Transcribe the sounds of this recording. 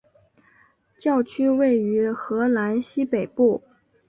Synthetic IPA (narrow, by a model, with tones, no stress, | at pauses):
t͡ɕjɑ˥˩ʊt͡ɕʰy˥we˥˩ɪy˧˥xɤ˧˥la˧˥nɕi˥pe˨˩ɪpu˥˩